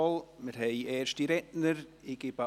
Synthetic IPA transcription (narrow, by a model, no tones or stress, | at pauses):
ɔlˠməɾɦejɛːɾʃtiɾɛʔnəɾ | ɪɡɪba